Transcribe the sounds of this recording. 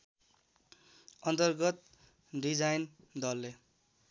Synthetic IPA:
ʌnt̪ʌrɡʌt̪̚ | ɖid͡zajn | d̪ʌlːe

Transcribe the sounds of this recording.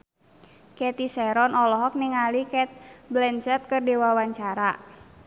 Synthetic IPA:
kɛt̪isɛɾɔnɔlɔɦɔk̚niŋalikɛt̪̚blɛnsɛt̪̚kɨrdewawaɲt͡ʃaɾa

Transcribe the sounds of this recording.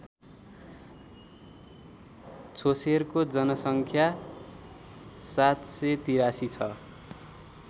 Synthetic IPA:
t͡sʰoserkod͡zʌnʌsʌŋkʰja | sat̪set̪iɾasit͡sʰʌ

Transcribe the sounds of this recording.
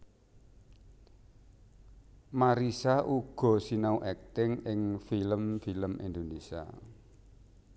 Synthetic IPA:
maɾisaʔuɡ̥ɔ̤sinauʔɛk̚t̪ɪŋɪŋfiləmfiləmḭnd̪onesia̰

